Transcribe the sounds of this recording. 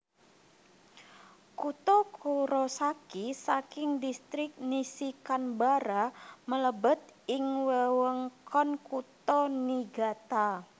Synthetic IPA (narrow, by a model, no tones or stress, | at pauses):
kut̪ɔkʰuɾosakisakɪŋdist̪ɾɪk̚nisikanbaɾamələbət̪̚ɪŋwəwəŋkɔnkut̪ɔniɡat̪a